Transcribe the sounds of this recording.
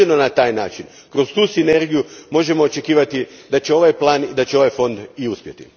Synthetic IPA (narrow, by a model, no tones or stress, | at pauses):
enonat̪aːjnaːt͡ʃin | kɾo̞st̪uːsine̞ɾɡijumo̞ʒe̞mo̞ːt͡ʃe̞kiːʋat̪id̪at͡ɕe̞o̞ʋajplˠaːnid̪at͡ɕeo̞ʋajfo̞nd̪iuspʲjet̪ḭ